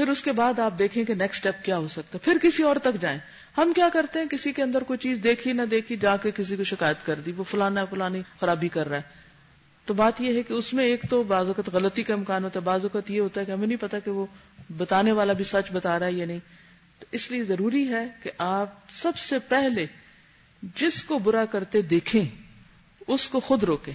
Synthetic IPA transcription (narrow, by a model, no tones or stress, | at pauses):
pʰɪɾʊskebaːd̪aːp̚d̪eːkʰẽkenɛːksʈɛːp̚kjaːɦosɐk̚t̪aɦɛpʰɪɾkɪsiɔːɾt̪ɐkd͡ʒaːẽː | hɐmkjaːkɐɾt̪eɦɛ̃kɪsikeɐ̃nd̪əɾkoit͡ʃiːzd̪eːkʰinɐd̪eːkʰid͡ʒaːkekɪs̬ikoʃɪkaːjət̪kɐɾd̪iʋofʊlaːnafʊlaːnixɐɾaːbikɐɾːaːɦɛ | t̪obaːt̪jeɦɛkeʊsmẽeːkt̪obaːzʋɐkət̪ɣɐlət̪ikaɪmkaːnɦoːt̪aɦɛbaːzʋɐkət̪jeɦoːt̪aɦɛkeɦɐmẽnɐɦĩpɐt̪akeʋo | bɐt̪aːneʋaːlabʱisɐt͡ʃbɐt̪aːɾaɦɛjanɐɦĩ | t̪oɪsliezɐɾuːɾiɦɛkeʔaːp̚sɐbsepɛɦle | d͡ʒɪskobʊɾakɐɾt̪ed̪eːkʰẽː | ʊskoxʊd̪ɾoːkẽː